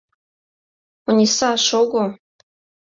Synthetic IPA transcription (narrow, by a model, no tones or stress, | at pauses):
unʲisɑʃoɡo